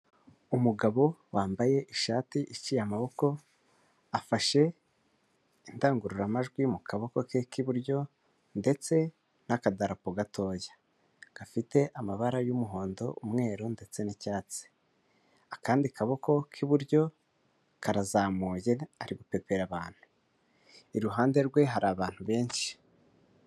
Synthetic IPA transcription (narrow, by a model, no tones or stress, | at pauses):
umuɡaβo̞waːmbaje̞ʔiʃaːtiʔit͡ʃijamaβo̞ko̞ | afaʃe̞ | indaːŋɡuɾuɾamaʒɡwimukʰaβo̞ko̞kekiβuɾɟo̞ | nde̞t͡se̞ | nakadaɾapoɡatʰo̞ːjḁ | ɡ̥afite̞ʔamaβaɾajumuɦo̞ːndo̞ʔumŋe̞ːɾonde̞t͡se̞nicaːt͡se̥ | akʰaːndikaβo̞ko̞kʰiβuɾɟo̞ | kaɾazaːmuːje̞aɾiɡupe̞pe̞ɾaβaːn̥hu̥ | iɾuɦaːnde̞ɾɡwe̞ɦaɾaːβaːn̥huβe̞ːnʃi̥